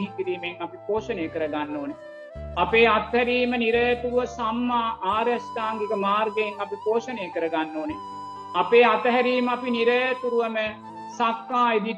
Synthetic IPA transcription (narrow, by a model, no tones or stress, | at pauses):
ɦit̪iɾiːmeŋapipoːʃənejəkəɾəɡanːoːne | apeːat̪ɦæɾiːməniɾəjɐt̪uɾuʋəsamːaːʔaːɾjast̪aːŋɡekəmaːɾɡeeŋapipoːʃənejəkəɾəɡanːoːne | apeːat̪əɦæɾiːməapiniɾəjɐt̪uɾuʋəmə | sakːaːed̪i